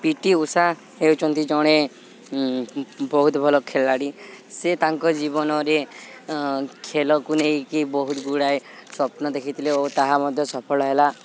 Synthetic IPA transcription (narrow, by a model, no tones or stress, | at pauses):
piʈiusa | ewt͡ʃʰɔnt̪id͡ʒɔɽ̃e | bɔɦut̪ɔbʱɔlɔkʰelaɽiset̪aŋkɔd͡ʒibɔnɔɾe | kʰelɔkunejkibɔɦut̪ɡuɽajsɔpnɔd̪ekʰit̪ʰileot̪aɦamɔd̪ʱjɔsɔpʰɔlɔɦela